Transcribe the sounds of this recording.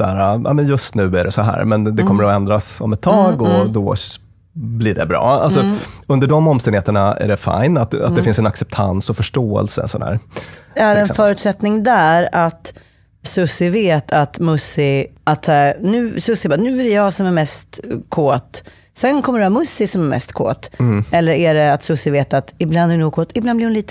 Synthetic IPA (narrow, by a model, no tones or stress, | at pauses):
sæːɾaa̰ːmɛnjɵst̪nʉ̟ːæɖɛsɔɦæ̰ːɾmɛnd̪ɛkɔmːəɾɔɛnd̪ɾasɔmɛt̪ʰːɑːɡɔd̪ɔ | blɪɖɛ̰bɾɑ̰ːa̰lsɔɵnd̪əɖɔmːɔmst̪ɛnd̪eːt̪əɳaæ̰ɖɛfa̰jnat̪a̰t̪̚d̪ɛfɪnsɛnaksɛp̚t̪ʰa̰nsɔfœʂʈoːɛ̰lsə̰sɔnæ̰ːɾæɾɛnfœːɾʉt̪sɛt̪nɪŋd̪æɾat̪ | sɵsɪveːt̪ʰat̪mɵsɪʔat̪sæːɾnʉ̟ːsɵsɪbanʉ̟ːæɾɛjɑːsɔmæɾmɛst̪kʰoːt̪ | sɛnkʰɔmːəɖɵæɾmɵsːɪsɔmæɾmɛ̰st̪kʰo̰ːt̪ːɛlːəɾæɖɛat̪sɵsɪveːt̪at̪ɪbland̪ɛɾɛnuːkʰoːt̪ɪblandblɪhʊnliːt̪